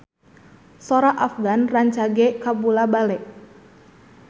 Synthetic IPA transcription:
sɔɾaʔafɡanraɲt͡ʃaɡɛkabulabalɛk̚

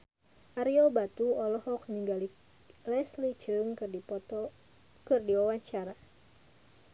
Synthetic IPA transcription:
ʔaɾiɔbat̪uɔlɔhɔkniŋɡali | lɛslit͡ʃɨŋkɨrdipɔt̪ɔ | kɨrdiwawaɲt͡ʃaɾa

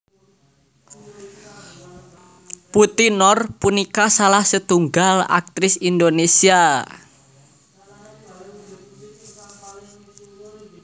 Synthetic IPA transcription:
put̪inɔrpunikasalahsət̪uŋɡala̰k̚t̪ɾɪsind̪onesia

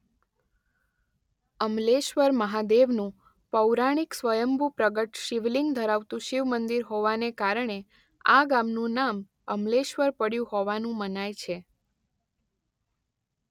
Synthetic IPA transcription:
əmleʃʋəɾməɦad̪eʋnũ | pəwɾaɽ̃iksʋəjəmbʱupɾəɡəʈʃiʋliŋɡd̪ʱəɾaʋt̪ũʃiʋmənd̪iɾɦoʋanekaɾəɳe | aɡamnũnam | əmleʃʋəɾpəɽjũhoʋanũmənajt͡ʃʰe

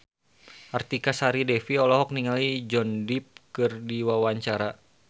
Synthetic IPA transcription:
ʔart̪ikasaɾidɛfiɔlɔɦɔk̚niŋalid͡ʒɔndip̚kɨrdiwawaɲt͡ʃaɾa

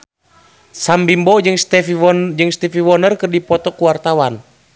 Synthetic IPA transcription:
sambimbɔd͡ʒɨŋst̪ɛfd͡ʒɨŋst̪ifiwɔnərkɨrdipɔt̪ɔkuwart̪awan

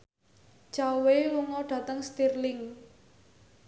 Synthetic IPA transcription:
t͡ʃaweluŋɔɖ̥ä̤t̪əŋst̪irlɪŋ

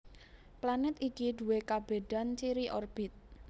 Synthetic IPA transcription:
planɪt̪ikiɖ̪ṳwekab̥e̤d̥a̤nt͡ʃiɾiʔɔrb̥ɪt̪̚

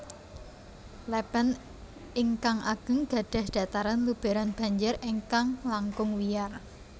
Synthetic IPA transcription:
lɛpən | iŋkaŋʔaɡ̥ə̤ŋɡ̥a̤ɖ̥a̤hɖ̥a̤t̪aɾanlub̥a̤ɾanb̥a̤ɲd͡ʒɪɾiŋkaŋlaŋkʊŋwijar

